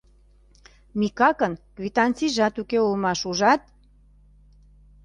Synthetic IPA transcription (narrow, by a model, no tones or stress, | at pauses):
mikɑkə̆nkvit̪ɑnt͡siʒɑt̪ukeulmɑʃuʒɑt̪̚